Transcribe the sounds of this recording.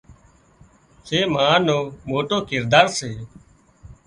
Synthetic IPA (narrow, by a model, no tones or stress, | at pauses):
seːmãːnoːmoːʈoːkɪɾd̪aːɾseː